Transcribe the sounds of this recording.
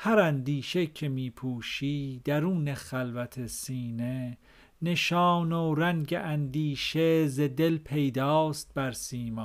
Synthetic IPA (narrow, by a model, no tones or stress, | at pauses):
hæɾænd̪iːʃecʰe̞miːpʰuːʃiːd̪̥æɾuːnexælvæt̪ʰesiːne | ne̞ʃɑːnoɾæŋɟeʔænd̪iːʃezed̪elpʰe̞jd̪ɑːst̪̚bæɾsiːmɑː